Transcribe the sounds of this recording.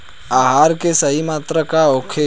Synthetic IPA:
aːɦaːɾkesəɦimaːt̪ɾəkaoːkʰe

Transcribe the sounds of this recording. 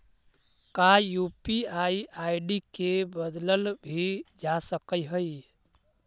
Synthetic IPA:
kajupiaiajɖikebəd̪ləlbʱid͡ʒasəkəjɦəj

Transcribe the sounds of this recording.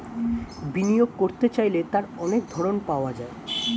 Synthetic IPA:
binijoɡ̚koɾt̪et͡ɕajlet̪aɾɔnek̚d̪ʱɔɾonpaoad͡ʑae

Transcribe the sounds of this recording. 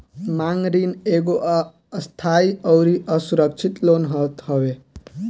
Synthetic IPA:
maŋɾineɡoʔː | st̪ʰaiʌwɾiʔəsuɾək̚t͡ʃʰit̪lonɦət̪ɦowe

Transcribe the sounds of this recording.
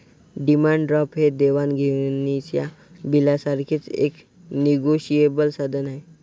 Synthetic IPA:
ɖimãɳɖɖɾɔpɦed̪eʋanɡʱewnit͡ɕja | bilasaɾkʰet͡sḛk | niɡoɕiebəlsad̪ʱənaɦe

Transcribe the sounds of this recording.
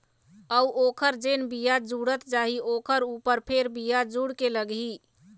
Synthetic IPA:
əuʔokʰəɾd͡ʒenbijad͡ʒuɽət̪d͡ʒaɦiokʰəɾupəɾpʰeɾbijad͡ʒuɽkeləɡɦi

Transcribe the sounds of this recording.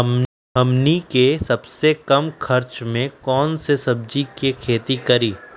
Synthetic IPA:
ɦɐmnikesɐbsekɐmkʰɐɾt͡ʃmẽkɔːnsesɐb̚d͡ʒikekʰeːt̪ikɐɾiː

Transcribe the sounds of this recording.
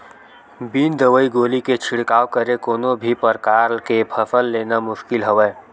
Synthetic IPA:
biːnd̪əʋəiɡoːliket͡ʃʰɪɽkaːwkəɾekoːnõbʱipəɾkaːɾlkepʰəfəlːeːnamʊʃkɪlɦəʋeː

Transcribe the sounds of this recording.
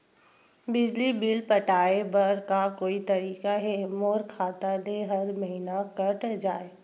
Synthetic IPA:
bɪd͡ʒlibilpɐʈaːebɐɾkakoːit̪ɐɾiːkaɦɛːmoːɾkʰaːt̪aleɦɐɾmɐɦinakɐʈd͡ʒaːeː

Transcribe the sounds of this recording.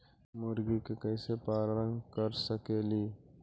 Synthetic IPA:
mʊɾɡikekəɪsepaːlɾə̃nkəɾsəkeːliː

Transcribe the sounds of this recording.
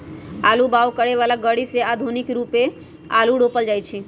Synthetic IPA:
alubaʋkəɽeʋalaɡəɽisead̪ʱunikɾupe | a̰luɽopəld͡ʒajt͡ʃʰe

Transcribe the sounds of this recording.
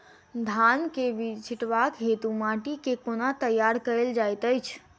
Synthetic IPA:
d̪ʱankebit͡ʃʰiʈʋakɦet̪umaʈikekonat̪əjaɾkəeld͡ʒajt̪əjt͡ʃʰ

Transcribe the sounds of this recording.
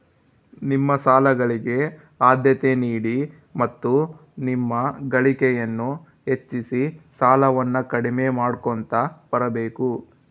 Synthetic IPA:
nimːɐsaːlɐɡɐɭiɡe̞ | aːd̪jɐt̪eniːɽi | mɐt̪ːu | nimːɐɡɐɭikɛjɐnːu | ɦe̞t͡ʃːisisaːlɐʋɐnːɐkɐɽimeːmaːɽkont̪ɐbɐɾɐbeːku

